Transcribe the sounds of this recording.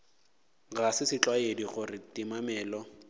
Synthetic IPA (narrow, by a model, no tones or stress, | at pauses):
ɣasɪsɪt͡ɬʼwaediχʊrɪtimamɛːlɔ